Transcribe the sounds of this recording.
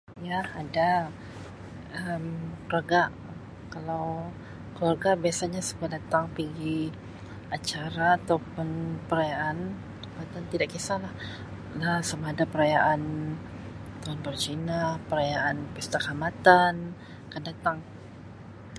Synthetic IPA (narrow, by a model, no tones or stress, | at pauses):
jaːda | əmkluarɡa | kalaw | kəluarɡabiasaɲasəbuadat̪aŋpiɡi | at͡ʃaɾaːt̪awpʊnpəɾajaʔan | t̪əmpat̪ant̪idaʔkisalah | lasamaːdapəɾajaʔan | t̪oanbərt͡ʃinapəɾajaanpəst̪akamat̪an | akandat̪aŋ